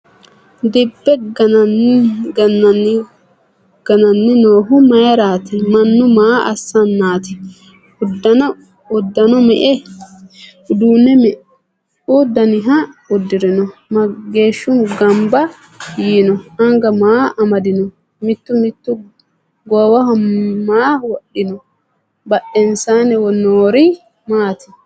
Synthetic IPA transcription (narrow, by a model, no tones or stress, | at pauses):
d̪ɪbːɛɡɐnɐnɡɐnːɐnː | ɡ̥ɐnɐnːɛnoːɦʊmɐjɐɾaːt̪ɪmɐnːʊmaːʔɐsːɐnːaːt̪ɪ̥ | ʊd̪ːɐnɐ | ʊd̪ːɐnɔmɛʔɛ | d̪uːnːɛmɛ | ud̪ːɐnɪɦɐʊd̪ːɪɾɛnɔmɐɡe̞ːʃːʊmɡɐmbɐ | jiːnɔɐŋɡɐmaːɐmɐd̪ɪnɔ | mɪt̪ːʊmɪt̪ːʊ | ɡɔwɐɦɐmaːwɔɗɪnɔ | bɐʔːɛnsaːnɛwɔnoːɾɪ | maːt̪ɪ̥